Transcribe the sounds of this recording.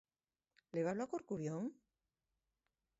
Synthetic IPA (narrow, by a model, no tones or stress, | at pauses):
leβaβloakoɾkuɾjoŋ